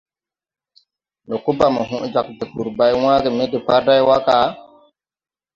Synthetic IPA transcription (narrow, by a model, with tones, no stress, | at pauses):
nɔ˨ku˦ba˨mɔ˨ɦũ˦ʔd͡ʒa˨k̚de˨pu˨ɾba˦jwãː˦ɡe˨me˦de˨pa˦ɾda˦jwa˦ka˨˦